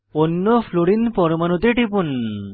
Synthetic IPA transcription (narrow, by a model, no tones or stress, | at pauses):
onːofʰloɽinpɔɾmanot̪eʈipun